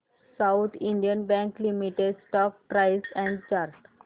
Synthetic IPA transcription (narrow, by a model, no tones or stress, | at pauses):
saʊt̪ʰĩɳɖijənbɛ̃ŋklimiʈeɖsʈɔk̚pɾajsɛ̃ɳɖt͡ɕaɾʈ